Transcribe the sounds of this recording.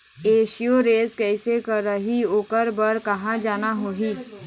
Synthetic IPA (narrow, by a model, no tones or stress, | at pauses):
eːʃijoɾeːzkɛsekɐɾːəɦioːkəɾbəɾkɐɦãd͡ʒaːnaɦoːɦiː